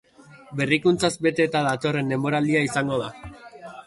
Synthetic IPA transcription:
be̞rikunt͡sazbe̞t̪e̞t̪aðat̪o̞re̞nːe̞mo̞ɾald̪iaisaŋɡo̞ð̞a

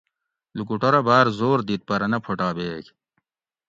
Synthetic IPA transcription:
lukuʈoɾɐbaːɾzoːɾd̪it̪̚pɐɾɐnɐpʰoʈaːbeːk

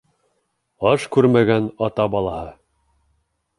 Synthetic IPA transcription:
ɑʃkʉɾmæɡænɑt̪ɑbɑlˠɑhɤ

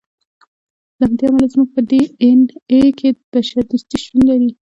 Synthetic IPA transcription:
d̪əhamd̪eamalazmuɡ̚pəd̪eenekʰeb̥aʃaɾd̪ust̪iʃʈunlaɾi

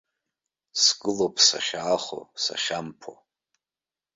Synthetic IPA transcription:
sɡɨlopʰsaʃaːχo̰sa̰ʃampʰo̰

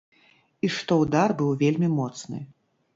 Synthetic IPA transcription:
iʂt̪ɔwd̪arbɨwvʲelʲmʲimɔt̪snɨ̰

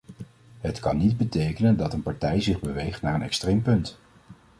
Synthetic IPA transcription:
ɦətkɑ̰nːid̚bətejkənəndɑtənpɑɹtɛjzɪχbəʋejχtnaːɹənɛ̰kstrejmpɵnt

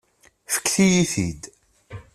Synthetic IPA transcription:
fə̥kːθijiθid̪

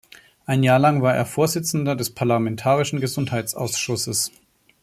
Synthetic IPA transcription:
ʔaɪnjaːɐlaŋvaːɐʔḛːɐfoːɐzɪt͡sn̩dɐdɛspʰaɐlamɛntʰaːʁɪʃn̩ɡəzʊnthaɪt͡sa̰ʊsʃʊsəs

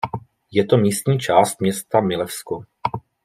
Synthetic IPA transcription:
jɛt̪o̞miːst̪ɲiːt͡ʃaːst̪̚mɲɛst̪amɪlɛfsko

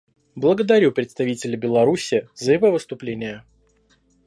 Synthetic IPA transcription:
blˠəɡəd̪ɐɾʲupɾʲɪt̪st̪ɐvʲitʲɪlʲɪbʲɪlˠɐɾusʲɪːzəɪvovəst̪ʊplʲenʲɪjə

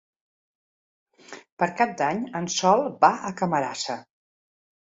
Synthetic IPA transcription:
pəɾkap̚d̪aɲənsɔlˠbaəkəməɾa̰sə

